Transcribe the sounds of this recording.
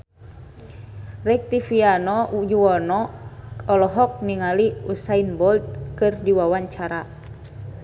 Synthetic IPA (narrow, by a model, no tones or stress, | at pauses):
rɛk̚t̪ifianɔd͡ʒuwɔnɔ | ɔlɔɦɔk̚niŋaliusainbɔlt̪̚kɨrdiwawaɲt͡ʃaɾa